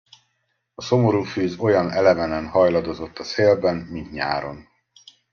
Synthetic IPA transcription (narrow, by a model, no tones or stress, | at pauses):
ɒso̞mo̞ɾuːfyːzo̞jɒnɛlɛvɛnɛmhɒjlɒd̪o̞zo̞t̪ːɒseːlbɛnmint̪ɲa̰ːɾo̞̰n